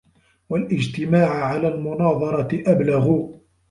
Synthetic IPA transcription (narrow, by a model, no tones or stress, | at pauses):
walʔɪd͡ʒt̪ɪmaːʕʕalaːlmʊnɑːðˤɑɾˤɑɪʔablaɣʊ